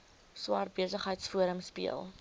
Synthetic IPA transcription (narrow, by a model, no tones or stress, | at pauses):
swɑːr̚biəsəχɦəjtsfuəɾəmspḭəlˠ